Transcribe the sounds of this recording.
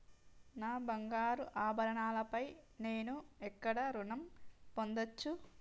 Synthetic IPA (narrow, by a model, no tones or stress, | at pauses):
naːbɐŋɡaːɾuʔaːbʱɐɾɐɳaːlɐpɐjne̞ːnuɛkːɐɽɐɾuɳɐmpo̞nd̪ɐt͡ʃːu